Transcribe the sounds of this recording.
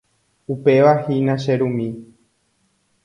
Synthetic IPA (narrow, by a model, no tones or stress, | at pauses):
upe̞ʋahinãʃeɾũmĩ